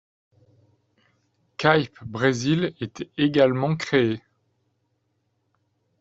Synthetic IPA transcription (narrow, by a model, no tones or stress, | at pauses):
kajpbʁezilet̪ɛeɡalmɑ̃kχee